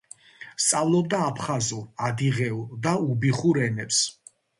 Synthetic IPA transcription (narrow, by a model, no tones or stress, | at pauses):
st̪sʼavlˠɔbd̪aːpʰχazuad̪iʁɛud̪aubiχuɾɛnɛps